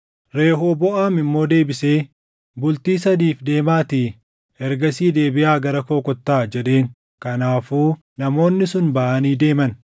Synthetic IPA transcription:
ɾe̞ːɦoːbɔʔaːmɪmːo̞ːd̪e̞ːbɪse̞ː | bʊlt̪iːsɐd̪iːfd̪e̞ːmaːt̪i | hɛɾɡɐsiːd̪e̞ːbɪʔaːɡɐɾɐkoːkɔt̪ːaːd͡ʒɛᶑe̞ːŋ | kɐnaːfuː | nɐmo̞ːnːɪsʊnbɐʔaniːd̪e̞ːmɐn

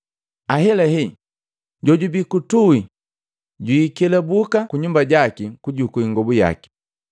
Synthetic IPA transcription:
aɦɛlɛɦi | ɟɔɟubikutui | ɟwuikɛlɛbukakuɲumbaɟakikuɟukuiŋɡɔbuja̰ki̥

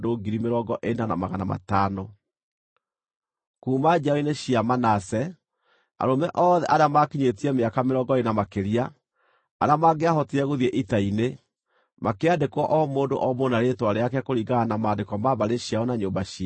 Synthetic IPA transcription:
doːɡiɾimeɾɔːɡɔʔenana̰maɣana̰ma̰taːno | kuːmad͡ʑaɔineɕiamanasɛ | a̰ɾomɛʔɔːðɛ̰ʔaɾeamakiɲetiɛmeakameɾɔɡɔenamakeɾiaː | ɾamaːɡeaɦɔtiɛɣoðiɛʔitaine | makeadekwɔʔɔmoːndo̰ʔɔmonaɾetwaɾeakɛkoɾiɡaanamaːndekwɔmaβaɾeɕjaɔnaɲoːmbaɕia

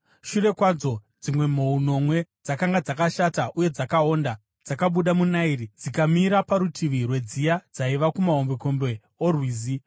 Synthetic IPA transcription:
ʃure̞kwad͡zo̞d͡zimwe̞m̤o̞uno̞mwe̞d͡zakaŋɡad͡zakaʃataʔuje̞d͡zakao̞nda | d͡zakaɓuɗamunairid͡zikamiɾapaɾutʰiʋirwe̞d͡zijad͡zaiʋakumaɦombeko̞mbe̞ | orwiːzi

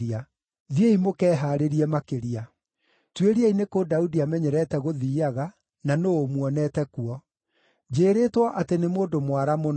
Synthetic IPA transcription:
a | ðieimokɛːɦaːɾeɾiɛmakeɾia | tweɾiainekoːdaudiamɛɲɛɾɛːtɛɣoðiːaɣa | nanoomwɔnɛːtɛkuɔ | d͡ʑeːɾeːtwɔʔatenemoːdomwaɾamon

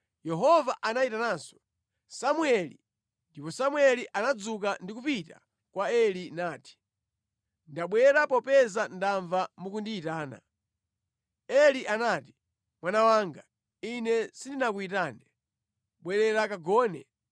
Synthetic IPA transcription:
jɛɦɔvaʔanaitanaːsɔ̥ | samwɛlḭ | ndipɔsamwɛliʔanad͡zuk̬andikupita̰ | kwaɛlinaːti̥ | ndaɓwɛɾapɔpɛzandaɱvamukundiːtaːna̰ | ɛliʔanaːti̥ | mwanawaːŋɡa | inɛsindinak̬uitaːnɛ | ɓwɛɾɛɾakaɡɔːnɛ̰

